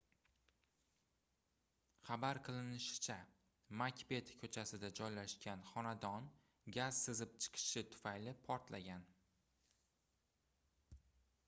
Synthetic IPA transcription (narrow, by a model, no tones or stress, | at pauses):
χabaɾqʰɨlˠɪnɪʃɪ̥t͡ʃʰa | makʲpe̞t̪ʰkʲʰɵt͡ʃʰasɪd̪ad͡ʒɒjlaʃkʲanχɒnad̪ɒn | ɡʲaz̥sɨzɪp̚t͡ʃʰɨ̥qʰɨ̥ʃɪt̪ʰʊ̥fajlɪpʰɒɾt̪lʔaɡʲan